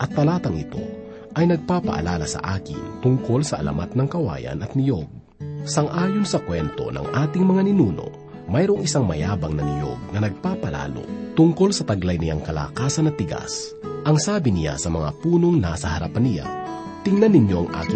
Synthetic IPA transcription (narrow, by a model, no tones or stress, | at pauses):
ʔɐt̪ːɐlaːt̪ɐŋɪt̪o̞̰ | ʔɐjnɐɡ̚paːpɐ̰ʔɐ̰laːlɐsɐ̰ʔaːkɪ̰nt̪ʊŋko̞lsɐʔɐ̰lɐ̰mat̪̚nɐŋkɐwa̰ːjɐ̰nɐt̪̚nɪjo̞ɡ̚ | sɐŋʔaːjonsɐkwɛnt̪o̞̰nɐ̰ŋʔaːt̪ɪŋmɐŋanɪnuːno̞̰ | mɐjɾoŋɪsaŋmɐjaːbɐŋnɐnɪjo̞̰ɡ̚nɐnɐɡ̚paːpɐla̰ːlo̞̰t̪ʊŋko̞lsɐt̪ɐɡlajnɪjaŋkɐla̰ːkaːsɐnɐt̪ːɪɡa̰s | ʔɐŋsaːbɪnɪja̰sɐmɐŋa̰puːno̞ŋnasɐhɐɾapanɪja̰ | t̪ɪŋnɐnːɪnjo̞ʔɐŋʔa̰ːkɪ